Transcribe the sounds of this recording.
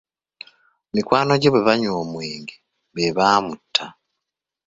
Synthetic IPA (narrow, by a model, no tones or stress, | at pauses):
mikwaːno̞ɟeβweβaɲwoːmweːŋɡe | βeβaːmutʰːa